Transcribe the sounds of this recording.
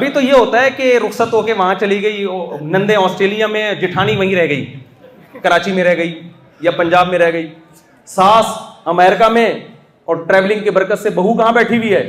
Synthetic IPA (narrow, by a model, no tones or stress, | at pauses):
ɐbʱit̪ojeɦoːt̪aɦɛkeɾʊxsət̪ɦoːkeʋɐɦãt͡ʃɐliɡɐinɐ̃nd̪ẽɔːsʈɾeːlijamẽd͡ʒɪʈʰaːniʋɐɦĩɾɛɦɡɐḭː | kɐɾaːt͡ʃimẽɾɛɦɡɐi | japɐ̃ɲd͡ʒaːbmẽɾɛɦɡɐiː | saːsɐmɛːɾɪkamẽ | ɔːɾʈɾɛːʋlɪ̃ŋɡkebɐɾkət̪sebɐɦukɐɦãbɛːʈʰibʱiɦɛː